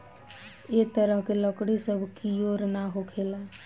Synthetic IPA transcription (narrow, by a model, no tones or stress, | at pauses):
et̪əɾəɦkeləkɽisəbʱkijoɾnaɦokʰela